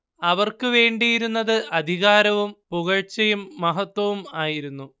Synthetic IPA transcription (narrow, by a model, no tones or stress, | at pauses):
ɐʋɐrkɨʋe̞ːɳɖijiɾunːɐðɨʔɐd̪ʱiɣaːɾɐʋumpuɣɐɻt͡ɕɐjumːɐɦɐt̪wɐʋumaːjiɾunːu